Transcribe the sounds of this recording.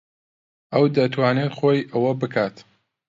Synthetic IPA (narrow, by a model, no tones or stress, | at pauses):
ʔɐwd̪ɐt̪ʰwaːneːt̪xoːjʔɐwɐbɨkʰaːt̪